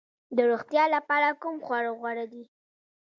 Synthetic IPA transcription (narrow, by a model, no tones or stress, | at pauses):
d̪əɾoɣt̪jɑlapɑɾakumxwaɽaɣwaɽad̪i